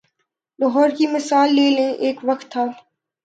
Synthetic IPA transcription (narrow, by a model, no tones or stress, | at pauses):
lɔɦɔːɾkimɪsaːlːeːlẽʔeːkʋɐxt̪ʰːaː